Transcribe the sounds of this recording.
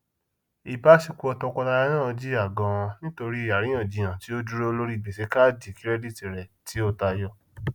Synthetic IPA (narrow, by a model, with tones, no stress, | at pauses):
i˨ba˦ʃi˧ku˧˦ɔ˧tɔ˧kɔ˧la˧ɾɛ˦nã˦˨ɔ˧d͡ʒi˦a˦˨ɡã˨˧w̃ɔ̃˧nĩ˦to˧ɾi˦˨a˨ɾĩ˦ɔ̃˦˨d͡ʒi˨˧j̃ã˨ti˨˦o˦d͡ʒu˦ɾo˦lo˦ɾi˦˨bi˨se˨˧ka˦˨d͡ʒi˨ki˨˦ɾɛ˦di˦˨ti˨ɾɛ˨ti˨˦o˦ta˧jɔ˧